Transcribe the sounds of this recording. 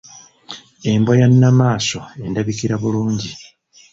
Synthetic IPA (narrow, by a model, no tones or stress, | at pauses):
e̞mbwajanːamaːso̞e̞ndaβikiɾaβuluːɲɟi